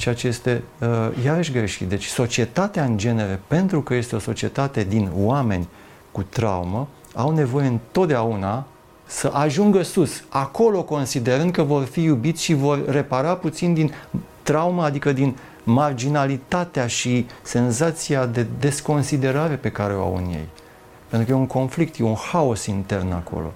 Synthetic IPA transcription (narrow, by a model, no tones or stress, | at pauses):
t͡ʃeat͡ʃeje̞st̪e̞əjaveʃ̬ɡɾeʃit̪d̪e̞t͡ʃʲso̞t͡ʃie̞t̪at̪eaɨnd͡ʒe̞ne̞ɾe̞pe̞nt̪ɾukəje̞st̪eo̞so̞t͡ʃie̞t̪at̪e̞d̪inwame̞̰nʲ | kut̪ɾa̰wumə | awne̞vo̞je̞ɨnt̪o̞t̪̚d̪eauna | səʔaʒuŋɡəsusako̞lo̞ko̞nsid̪e̞ɾɨnd̪̚kəvo̞rfijubit̪sʲʃivo̞rːe̞paɾaput̪sind̪in | t̪ɾawməːd̪ikəd̪in | mard͡ʒinalit̪at̪eaʃise̞nzat̪siad̪e̞d̪e̞sko̞nsid̪e̞ɾaɾe̞pe̞kaɾe̞oa̰wɨ̰njḛj | pent̪ɾukəjeuŋko̞nflik̚t̪jeunhaosint̪e̞rna̰kʰo̞̰lo̞̰